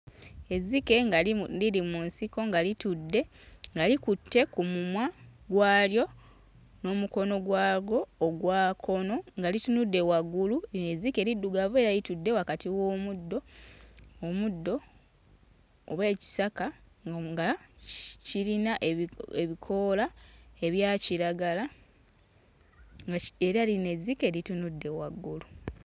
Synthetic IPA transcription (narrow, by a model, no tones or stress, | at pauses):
e̞zike̞ŋɡaliɾimunsiko̞ŋɡalitudːe̞ŋɡalikutːe̞kumumwaɡwaːljo̞ | no̞ːmuko̞no̞ɡwaːɡo̞ːɡwaːkʰo̞no̞ŋɡalitunudːe̞waɡulueine̞zike̞ɾidːuɡaβe̞ːɾajitudːe̞wakatiwo̞ːmudːo̞ː | mudːo̞ | βwe̞ːci̥saka | ŋɡa | ciɾinaʔeβikʰo̞ːlae̞βjaːciɾaɡala | ɡaeɾaline̞zike̞ɾitunudːe̞waɡːulu